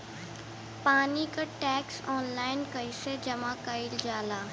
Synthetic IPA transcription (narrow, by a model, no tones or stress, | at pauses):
paːnikaʈɛːksɔːnlaːɪnkɐised͡ʒɐmakəɪld͡ʒaːlaː